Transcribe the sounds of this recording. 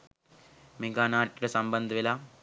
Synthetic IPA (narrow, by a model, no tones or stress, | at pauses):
mɪŋɡaːnaːɾʈːɪɾɐsɐmbɐnd̪ɐʋɪlaː